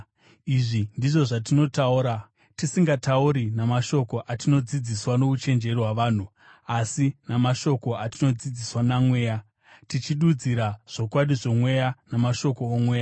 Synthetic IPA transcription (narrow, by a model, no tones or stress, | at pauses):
iʐindiʐo̞ʐatino̞tauːɾa | tisiŋɡatauɾinamaʃo̞ko̞ʔatino̞d͡zid͡ziswano̞ut͡ʃe̞nd͡ʒe̞riwaʋaːn̤u | asinamaʃo̞ko̞atino̞d͡zid͡ziswanamwe̞ːja | tit͡ʃiɗud͡ziɾaʐ̥o̞kwaɗiʐo̞mwe̞janamaʃo̞ko̞ːmwe̞ːja